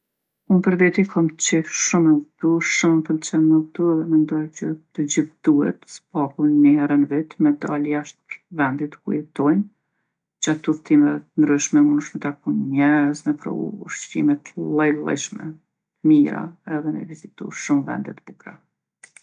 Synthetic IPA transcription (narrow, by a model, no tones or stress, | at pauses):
unpəɾvɛt̪ikʰɔmt͡ʃɛhʃumɛt̪uʃumpəlt͡ʃɛnməkt̪uɛðɛmɛnd̪ɔjt͡ɕət̪əd͡ʑiθd̪uɛ̰t̪spakunəhɛɾənvit̪mɛd̪aljaʃt̪̚ɾvɛnd̪it̪kṵjɛt̪ɔjn | d͡ʑat̪ːuft̪imɛɛt̪ənd̪ɾyʃmɛmunʃmɛt̪akunmɛɾəznɛpɾɔ̰ṵʃḭmɛt̪lˠɛlˠɛ̰ʃmɛ̰ | miɾa̰ɛðɛnɛ̰vizit̪ṵʃumvɛ̰nd̪ɛt̪bukɾa